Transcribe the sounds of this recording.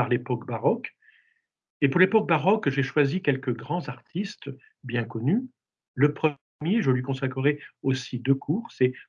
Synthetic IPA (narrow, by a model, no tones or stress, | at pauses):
aʁlepɔkbaʁɔk | epuʁlepɔk̚baʁɔkʒeʃwazikʲɛlkəɡʁɑ̃zaʁt̪ʰist̪ | bjɛ̃kɔny | ləpχə | mjeʒəlɥikɔ̃sakχəʁɛosid̪økʰuːʁsɛ